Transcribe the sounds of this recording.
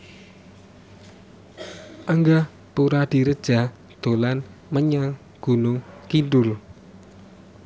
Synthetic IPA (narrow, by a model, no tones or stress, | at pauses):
ʔəŋɡa | puɾad̪̥i̤ɾəd̥ʒ̥a̤ | d̪̥o̤lanməɲaŋ | ɡ̥ṳnʊŋkinɖʊl